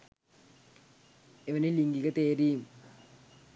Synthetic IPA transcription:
eʋɐneliŋɡikət̪eːɾiːm

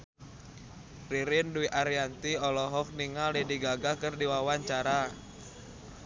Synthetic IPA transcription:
riɾɪnduiʔaɾiant̪iɔlɔɦɔk̚niŋalidiɡaɡakərdiwawaɲt͡ʃaɾa

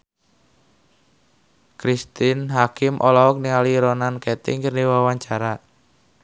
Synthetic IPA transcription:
kɾist̪ɪnɦakɪmʔɔlɔɔk̚niŋaliɾɔnankɛt̪ɪ̰ŋkərniwawaɲt͡ʃaɾa

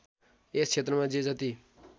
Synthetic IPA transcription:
est͡ʃʰet̪rʌmãd͡zid͡zʌt̪i

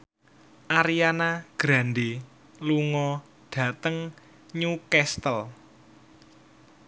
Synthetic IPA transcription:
ʔaɾijanaɡ̥ɾa̤nde | luŋɔ | ɖ̥ä̤t̪əŋ | ɲukɛst̪əl

